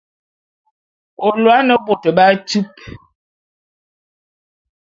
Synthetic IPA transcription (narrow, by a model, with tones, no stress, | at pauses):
o˨lwa˦nə˦bo˨tə˨ba˦tu˦p̚